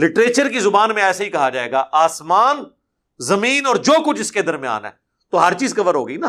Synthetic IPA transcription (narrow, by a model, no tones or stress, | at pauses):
lɪʈɾeːt͡ʃəɾkizʊbaːnmẽɛːsaɦikɐɦad͡ʒaːeːɡa̰ːʔaːsmaːn | zɐmiːnɔːɾd͡ʒoːkʊt͡ʃʰɪsked̪ɐɾmija̰ːnɦɛ̰ː | t̪oːɦɐɾt͡ʃiːzkɐʋəɾɦoːɡəinaː